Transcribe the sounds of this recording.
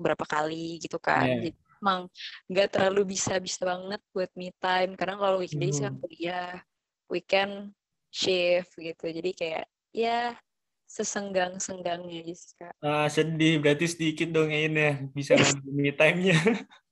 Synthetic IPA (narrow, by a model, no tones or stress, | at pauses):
bəɾapakaliɡit̪uka̰ʔd͡ʒadimemaŋŋɡaʔt̪ərlalubisabisabaŋət̪̚buat̪̚mit̪ajmkardaŋkalowikndaisakaŋpəlijah | wikɛn | ʃɪfɡit̪ud͡ʒadikaja̰ʔ | ja | səsəŋɡaŋsəŋɡaŋɲad͡ʒisi̥kaʔəsədɪhbɾat̪ɪsədikɪt̪̚dɔŋaɪnjabisaaŋət̪mit̪ajmɲa